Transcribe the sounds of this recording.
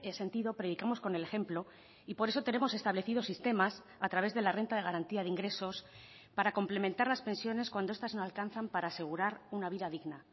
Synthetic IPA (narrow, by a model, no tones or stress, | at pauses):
ese̞nt̪iðo̞pɾe̞ð̞ikamo̞sko̞nelexe̞mplo̞ | ipo̞ɾe̞so̞t̪e̞ne̞mo̞se̞st̪aβle̞θiðo̞sist̪e̞mas | at̪ɾaβ̞e̞zðe̞lare̞nt̪að̞e̞ɣaɾant̪iaðiŋɡɾe̞so̞s | paɾako̞mple̞mẽnt̪aɾlaspe̞nsjo̞ne̞skwand̪oest̪azno̞alkan̟θampaɾaːse̞ɣ̞uɾaɾunaβiðaðiɣna